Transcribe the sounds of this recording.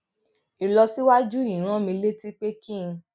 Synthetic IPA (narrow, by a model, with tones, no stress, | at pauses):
i˨lɔ˧si˦wa˦d͡ʒu˦i˨ɾ̃ã˦mĩ˧le˦ti˦k͡pe˦kĩ˦˨˧